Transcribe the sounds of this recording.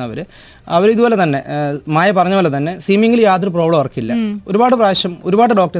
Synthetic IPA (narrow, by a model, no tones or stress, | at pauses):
ɐʋɐɾɨ | ɐʋɐɾiðubo̞ːlet̪ɐnːe̞maːjɐpɐrɐɲːɐboːlet̪ɐnːe̞siːmiŋɡiljaːt̪ɾuproːbɭoːɐrɐkːijilːɐo̞ɾubaːʈːɨpraːɐɕɐmo̞ɾubaːʈːɨɖo̞ːk̚ʈɐ